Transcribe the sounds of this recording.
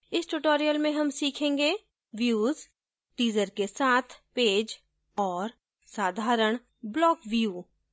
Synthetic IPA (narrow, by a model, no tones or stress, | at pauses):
ɪsʈuʈoːɾijəlmẽɦɐmsiːkʰẽːŋɡeː | ʋjuːz | ʈiːd͡ʒəɾkesaːt̪ʰpeːd͡ʒ | ɔːɾ | saːd̪ʱaːɾəɽ̃ | blɔːkʋijuː